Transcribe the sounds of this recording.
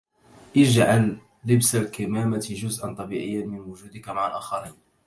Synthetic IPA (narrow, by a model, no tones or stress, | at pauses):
ʔɪd͡ʒʕalː | ɪbsalkɪmaːmat̪ʒʊzʔant̪ˤɑbiːʕɪ̰jːanmɪnwʊd͡ʒuːd̪ɪkamaʕalʔaːxɑɾiːn